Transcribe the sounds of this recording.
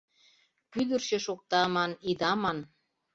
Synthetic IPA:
kyd̪ərʃĕʃok̚t̪ɑmɑnid̪ɑmɑn

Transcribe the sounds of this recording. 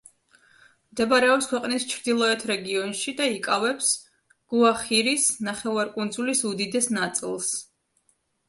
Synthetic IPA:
md̪ɛbaɾɛɔpskʰwɛqʼnist͡ʃʰɾd̪ilˠɔɛt̪ʰɾɛɡiɔnʃid̪aikʼavɛps | ɡ̥uaχiɾisnaχɛvaɾkʼund̪zulisud̪id̪ɛsnat̪sʼḭlˠs

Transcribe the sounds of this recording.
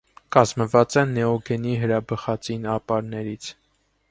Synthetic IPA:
kɑzməvɑt͡sɛnɛɔɡɛniɦəɾɑbəχɑt͡sinɑpɑɾnɛɾit͡sʰ

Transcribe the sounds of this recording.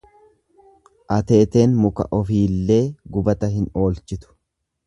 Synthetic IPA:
ʔɐt̪e̞ːt̪e̞ːnmʊkɐ̰ʔɔfiːlːe̞ːɡʊbɐt̪ɐɦɪno̞ːlt͡ʃɪt̪ʊ̥

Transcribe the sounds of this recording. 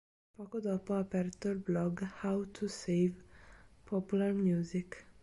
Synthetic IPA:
pɔkod̪ɔpɒpɛɾt̪orblɔɡhawt̪ʰusejvpʰopularmjuːzik

